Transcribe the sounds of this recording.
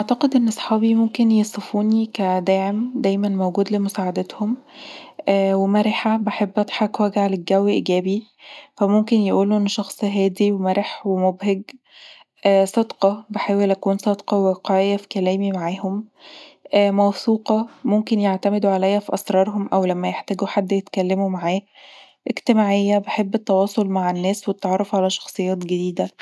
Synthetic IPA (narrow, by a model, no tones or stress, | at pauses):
ʔaʕt̪ɑqed̪ʔenːɑsˤħɑːbimomkenjesˤefuːnikæd̪æːʕemd̪æjmænmowɡuːd̪lemosaːʕad̪æt̪homʔːwemæɾeħabeħebːʔɑt̪ˤħɑkwæɡʕaleɡːæwːiʔiɡæːbi | fæmomkenjeʔuːlːoʔenːʃɑxsˤɦæːd̪iwemæɾeħwemobɦeɡ | ʔsˤɑd̪qɑbeħaːwelʔækuːnsˤɑd̪qɑweqɑʕejːæfi̥kælæːmimaʕaːhom | ʔmæwθuːqɑmomkenjeʕt̪æmed̪uʕalæjːæfiʔɑsɾˤɑːɾˤɦomʔæwlæmːæjeħt̪æːɡuħad̪ːjet̪kælːemumaʕaː | ʔeɡt̪emaːʕejːæbeħebːet̪ːɑwɑːsˤolmaʕenːæːswt̪et̪ʕɑrˤːɑfʕalæʃɑ̥xsˤejːɑːt̪ɡed̪iːd̪æ